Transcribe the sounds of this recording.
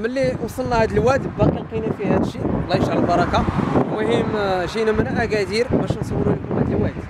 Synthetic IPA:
məlːiwsˤəlnæhæd̪əlwæd̪bːæqinqinit̪fihæd̪əʃːilæiʃaʕlbɑɾˤɑkamʊhimʒinæmənʕæɡæd̪iɾbæʃnsˤɑwːɾulikumhæd̪əlwæd̪

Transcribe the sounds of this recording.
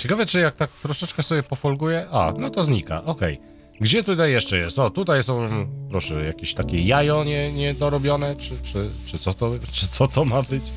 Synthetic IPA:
t͡ɕɛkavɛt͡ʂɨjak̚t̪ak̚t̪ɾɔʂɛt͡ʂkɛsɔbʲjɛpɔfɔlɡujɛʔa̰nɔt̪ɔzɲika̰ʔɔkɛ̰j | ɡd͡ʑɛt̪ut̪ajːɛʂt͡ʂɛjɛst̪ɔt̪ut̪ajsɔ̃w̃pɾɔʂɛjakʲeɕt̪akʲɛjajɔɲɛɲɛd̪ɔɾɔbʲjɔnɛt͡ʂɘt͡ʂɘt͡ʂɘt̪sɔt̪ɔt͡ʂɘt̪sɔt̪ɔmabɘt͡ɕ

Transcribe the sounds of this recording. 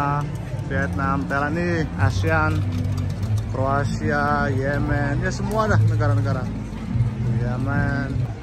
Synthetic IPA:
fiɛt̪̚namt̪aɾaniasian | kɾoasiajɛmɛnjasəmuadahnəɡaɾanəɡaɾa | jɛmɛn

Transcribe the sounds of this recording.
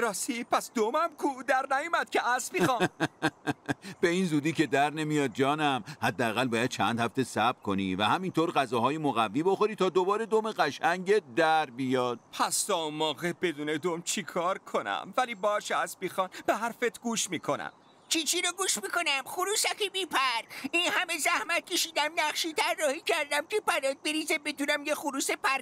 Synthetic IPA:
ɾɒːsipʰæsd̪omæmkʰud̪æɾnæjomæd̪̥̚cʰeʔæsbiːxɑ | b̥e̞iːnzuːd̪iːcʰe̞d̪æɾne̞mijɒːd̪̚d͡ʒɒːnæmhæd̪ːææɣælbɒːjæd̪̚t͡ʃʰæ̰nd̪hæft̪esæbkʰo̞nivæhæmint̪ʰoːɾɣæzɒːɦɒːjemoɣævːiːbo̞xo̞ɾiːt̪ʰɒːd̪obɒːɾed̪omeɣæʃæŋɟed̪æɾbijɒːd̪̥̚pʰæst̪ɒːumːɒːɣebe̞d̪uːned̪omt͡ʃʰikʰɒːɾkʰonæ̰mvæliːbɒːʃeæsbixɒːnbeɦæɾfet̪ʰɡuːʃmiːkʰonæ̰m | t͡ʃʰit͡ʃʰiɾoɡuːʃmiːkonæmχuɾuːsækibiːpʰæɾiːnhæmezæhmæt̪̚cʰe̞ʃiːd̪æmnæχʃiːt̪ʰærːɒːhiːcʰæɾd̪æmcʰepæɾɒd̪̚beɾiːzebed̪uːnæmjexuɾuːsepʰæɾ

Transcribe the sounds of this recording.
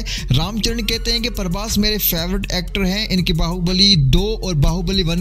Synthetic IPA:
ɾaːmt͡ʃəɾəɳkɛɦt̪eɦɛ̃kepɐɾʋaːsmeːɾefeːʋɾɪʈɛːk̚ʈəɾɦɛ̃ʔɪnkibaːɦubəlid̪oːɔːɾbaːɦubəliʋɐn

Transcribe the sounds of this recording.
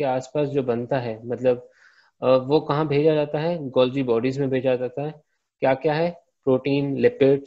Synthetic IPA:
eaːspaːsd͡ʒoːbɐnt̪aɦɛːmɐt̪ləb̚ | ʋokɐɦãbʱeːd͡ʒad͡ʒaːt̪aɦɛɡɔːld͡ʒibɔːɖizmẽbʱeːd͡ʒad͡ʒaːt̪aɦɛː | kjaːkjaːɦɛ | pɾoːʈiːnlɪpɪʈ

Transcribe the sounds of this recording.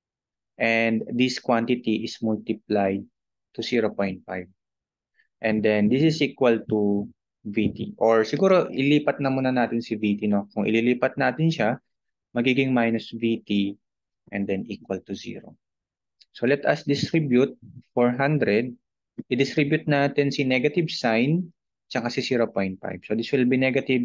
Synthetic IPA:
ʔɛnd̪d̪iskwant̪ɪt̪iʔɪsmʊlt̪ɪplajd̪̚ | t̪ʊsiːɾopoj̃nt̪̚fajv̚ | ʔɛ̃nd̪ɛnd̪isɪsʔiːkwɐlt̪u | vit̪ḭʔoɹsɪɡuːɾo̞ʔɪliːpɐt̪̚nɐmuːnɐnaːt̪ɪnsɪviːt̪inokʊŋʔɪ̰liliːpɐt̪̚naːt̪ɪnʃa | mɐɡiːɡɪŋmajnʊsvit̪i | ʔɛnd̪ɛnʔiːkwɐlt̪ʊzḭːɾo̰ | so̞lɛt̪ɐsd̪ɪst̪ɾibjʊt̪̚foɹɦand̪ɾɛd̪̚ | ʔɪd̪ɪst̪ɾibjʊt̪̚naːt̪ɪnsɪnɛɡɐt̪ɪbsajn | t͡ʃɐkɐsɪsiːɾopojnt̪̚fa̰jb̥sod̪iswɪlbinɛɡɐt̪ɪb

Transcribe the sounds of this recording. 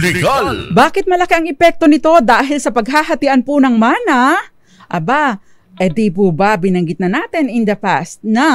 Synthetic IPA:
baːkɪt̪̚mɐlɐkiʔɐŋɛpɛk̚t̪o̞nɪt̪o̞d̪aːɦɪlsɐpɐɡ̚ɦaːɦɐt̪ɪʔanpʊnɐŋmaːnɐ | ʔɐba | ʔɛd̪ipubabɪnɐŋɡɪt̪nɐnaːt̪ɪnɪnd̪ɐpa̰st̪̚nɐ

